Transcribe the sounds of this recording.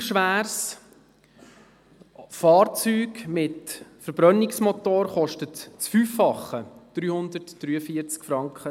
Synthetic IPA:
ʃʋæːɾs | fɑːɾt͡syːɡmɪtfəɾb̥ɾœnɪksmɔtoːɾχɔʃtətt͡sfyːfːɑχːəd̪̥ɾyːhʊnd̪ətd̥ɾyːəfiəɾt͡skfɾɑŋkχə

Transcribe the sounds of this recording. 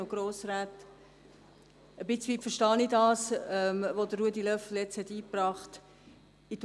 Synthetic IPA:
oɡ̥ɾoːsɾaːt | əbɪt͡sʋiːpfəʃtɑːnidɑːsɛmʋodərːuədilœfl̩jɛt͡shɛtiːpɾɑːχt | it

